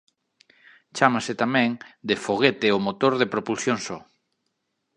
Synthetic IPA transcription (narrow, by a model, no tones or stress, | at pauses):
t͡ʃamasɪt̪amɛ̃ŋd̪efoɣ̞et̪eomot̪oɾðepɾopulsjoŋsɔ